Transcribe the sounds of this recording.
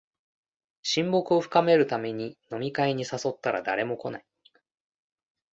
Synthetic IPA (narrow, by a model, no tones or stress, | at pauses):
ɕĩmbo̞kɯ̟o̞ɸɯ̟̥kame̞ɾɯ̟t̪ame̞ɲ̟ino̞mʲikaiɲ̟isaso̞t̪ːaɾa̰d̪a̰ɾe̞mo̞ko̞nai